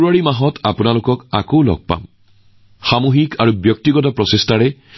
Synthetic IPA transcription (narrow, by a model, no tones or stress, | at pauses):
ɹuaɹimaɦɔtʰapunalʊkɔka̰kowlɔ̰ɡ̚pa̰m | xamoɦikaɹubjɔk̚tiɡɔt̬ɔpɹɔsestaɹɛ